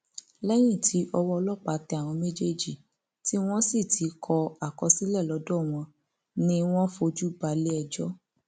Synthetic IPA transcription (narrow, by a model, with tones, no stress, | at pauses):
lɛ˦j̃ĩ˦˨tʰi˨˦ʔɔ˧wɔ˦˧lɔ˦˨k͡pa˨˦tɛ˧a˨w̃ɔ̃˧me˦d͡ʒe˦d͡ʒi˨ | ti˦w̃ɔ̃˦si˦˨tʰi˨˦kʰɔ˧a˨kɔ˧si˦lɛ˦˨lɔ˨˧˦dɔ˦˨w̃ɔ̃˧ | nĩ˦w̃ɔ̃˦fo˧d͡ʒu˦ɡ͡ba˨˦le˦ɛ˧˨d͡ʒɔ˦